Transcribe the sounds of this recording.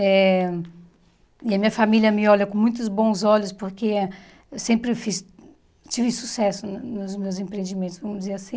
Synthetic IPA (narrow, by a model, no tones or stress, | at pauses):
ɛ | iɐmĩɲɐfamilʲjɐmɪɔʎɐkõmũj̃t̪̬ʊzbõw̃zɔʎʊspoɾke | ewsẽmpɾɪewfis | t͡ʃivɪsusɛsʊnnʊzmewzẽpɾẽẽd͡ʒimẽnt̪ʊsvɐ̃mʊd͡ʒɪzeɾasĩ